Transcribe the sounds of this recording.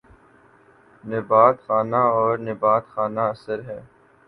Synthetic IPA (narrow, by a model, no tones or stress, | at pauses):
nɪbaːt̪xaːnaɔːɾnɪbaːt̪xaːnaɐsəɾɦɛː